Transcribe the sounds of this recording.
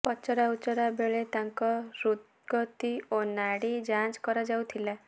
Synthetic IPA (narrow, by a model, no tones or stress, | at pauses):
pɔt͡ʃɔɾaut͡ʃɔɾabeɭet̪aŋkɔɾut̪ | ɡɔt̪ionaɽid͡ʒãt͡ʃkɔɾɔd͡ʒawt̪ʰila